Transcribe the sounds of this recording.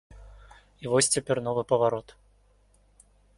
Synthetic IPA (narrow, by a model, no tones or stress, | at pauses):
ivɔsʲt͡sʲɛpʲɛrnɔvɨpɐvaɾɔt̪